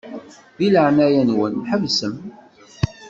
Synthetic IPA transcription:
ðiləʕnæjænwənːħəvsəm

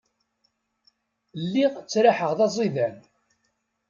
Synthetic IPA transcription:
lːiʁt͡sːɾaħəʁðɑzˤiðæn

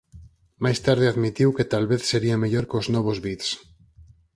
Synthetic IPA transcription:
majst̪aɾð̞eaðmit̪iwket̪alβeθseɾiameʎoɾkoznɔβ̞ozβit̪s

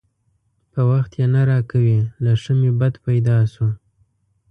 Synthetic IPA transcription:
pəwaxt̪jenaɾɑkawilaʂəmebad̪pajd̪ɑsu

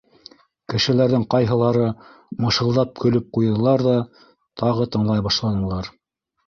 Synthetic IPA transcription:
kɘ̆ʃɘ̆læɾðɘŋqɑjɦɤ̆lˠɑɾɤ | mɤ̆ʃɤ̆lˠd̪ɑp̚kɵ̆lɵp̚qujɤ̆lˠɑɾðɑ | t̪ʰɑʁɤt̪ɤ̆ɴlˠɑjbɑʃlˠɑnɤ̆lˠɑɾ

